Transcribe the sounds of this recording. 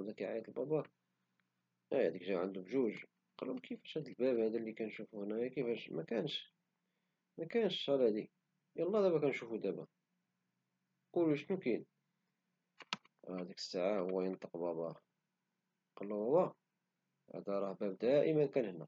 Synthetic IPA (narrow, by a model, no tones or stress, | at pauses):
d̪ækiʕa̰jæt̪əlbɑbɑ | ææd̪ikʒæʕənd̪ubʒuʒ | qɑlumkifæ̥ʃhæd̪əlbæbhæd̪ælːikænʃufuhnæjækifæʃmækænʃ | mækænʃɑlæd̪i | jɑlˤːɑd̪æbækænʃufud̪æbæ | quluʃnukin | æd̪ikə̥sːaʕahʊwːæjənt̪ˤəqbɑbɑ | qɑlːæwæwɑ | æ̰d̪ɑɾˤɑhbæbd̪æʔəmænkænhənːæ